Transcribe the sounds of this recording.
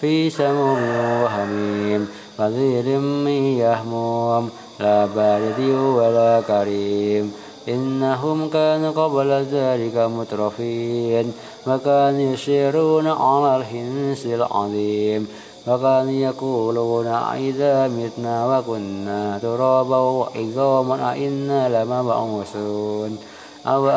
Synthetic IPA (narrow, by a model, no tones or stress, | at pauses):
fiːsamumwaɦamiːm | faziːlɪmːijahmuːm | laːbaːlɪd̪iwalaːkaɾiːm | ʔɪnːaɦʊmkaːnuqɑblaðaːlɪkamʊt̪ɾˤɑfiːn | wakaːnujaʃiɾuːnaʕa̰lalɦɪnsɪlʕɑ̰ðˤiːm | wakaːnujakuːluːna̰ʔɪðaːmɪt̪nawakʊnːat̪ʊɾˤɑːbaaʔɪzaːmanʔa̰ʔɪnːalamaba̰ʔusuːn | ʔaw